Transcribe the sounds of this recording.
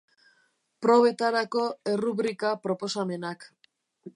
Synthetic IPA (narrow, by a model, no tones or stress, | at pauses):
pɾo̞β̞e̞t̪aɾako̞eruβɾikapɾo̞po̞same̞nak